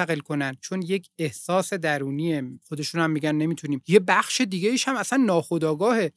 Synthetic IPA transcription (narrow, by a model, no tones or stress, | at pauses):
æɣe̞lkʰo̞nænd̪̚t͡ʃʰo̞nje̞cʰe̞hsɒːse̞d̪æɾuːniexod̪e̞ʃuːnhæmːiɟænːe̞miːt̪ʰuniːmje̞bæxʃe̞d̪iːɡʲeiːʃhæmæsænːɒːxo̞d̪ɒːɡɒːhe̞